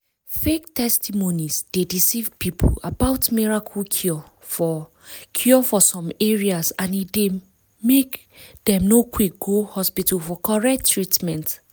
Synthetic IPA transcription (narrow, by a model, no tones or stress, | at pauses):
fek̚tʰɛstʰimonisd̥edisivpipʰə̰labaʊtmiɹakʰəlkʰjɔ | f | kʰjɔfɔsɔ̃mɛɹiasãnide | mek | dɛ̃mnokʰwik̚ɡ̥ohɔspitʰəlfɔkʰɔɹɛk̚tʰːɹitmɛ̃nt